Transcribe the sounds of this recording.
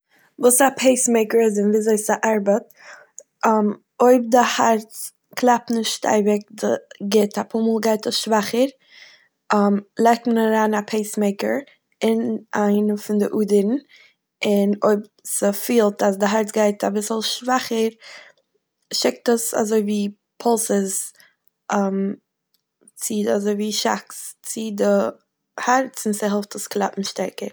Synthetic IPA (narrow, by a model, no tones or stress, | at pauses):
vuːsapʰeɪsmeɪkəɾɪzɪnviːzoɪsaʔaɾbətː | m | oʏb̚dɪhaɾt͡s | klˠap̚tnɪʃʃta̰ɪbɪk̚dəɡɪtapʰuːmuːlˠɡaɪtəsʃvaχəɾ | amlˠaɪk̚tmənaɾaːnapʰeɪsmeɪkə̰ɾ | ɪnʔaɪnəfɪndɪʔuːdəɾn̩ | ɪnoɪbsɪfiːlˠtasdɪɦaɾt͡sɡaɪtabɪsl̩ˠʃvaχəɾ | ʃɪk̚təsa̰zoɪviː | pʰɔlˠsəz | am | t͡sɪazoɪviːʃa̰kst͡sɪdɪ | haɾt͡sɪnsɪɦɛlˠftəsklˠa̰pn̩ʃtɛɾkəɾ